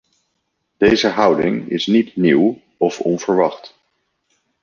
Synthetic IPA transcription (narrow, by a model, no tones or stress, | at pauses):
d̥ejzəɦʌwdɪŋɪ̰snitniw | ɔfɔnv̥əɹʋɑχt